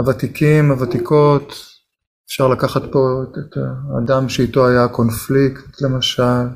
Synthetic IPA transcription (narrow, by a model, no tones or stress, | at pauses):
avat̪ikʰimavat̪ikʰo̞t̪ | efʃaʁlakaχat̪po̞etʰa̰ːdamʃeit̪o̞ajako̞nflikt̪le̞maʃal